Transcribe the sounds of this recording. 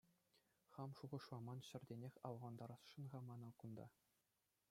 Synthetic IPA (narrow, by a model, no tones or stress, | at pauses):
χɑmʂuʁɤ̆ʂlˠɑmɑnɕɘ̆rʲdʲenʲexʲɑwʁɑnd̪ɑɾɑsʂɯ̆nʁɑmɑnɤ̆kund̪ɑ̰